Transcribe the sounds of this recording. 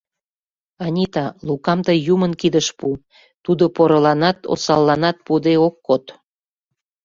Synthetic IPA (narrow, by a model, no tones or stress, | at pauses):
ɑnʲit̪ɑlukɑmt̪əjjumənkid̪əʃpu | t̪ud̪opoɾolɑnɑt̪o̰sɑlːɑnɑt̪̚pud̪eokːot̪